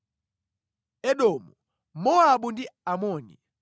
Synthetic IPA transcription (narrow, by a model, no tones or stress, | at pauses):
ɛɗɔmu | mɔaɓundiamɔːnḭ